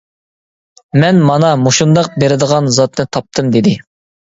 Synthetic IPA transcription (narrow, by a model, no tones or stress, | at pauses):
mɛnmɑnɑmoʃund̪ɑq̚beɾɪd̪əʁɑnzɑt̪nɨt̪ʰɑp̚t̪ʰɨmd̪ɪd̪ɪ